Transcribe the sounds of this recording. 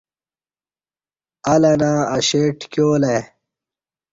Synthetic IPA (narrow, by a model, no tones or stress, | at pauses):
ɐlɐnãːɐɕeːʈkjoːle